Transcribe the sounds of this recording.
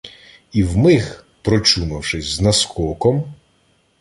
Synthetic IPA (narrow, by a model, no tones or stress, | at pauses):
iwmɪx | pɾɔt͡ʃumɐwʃɪsʲznɐskɔkɔm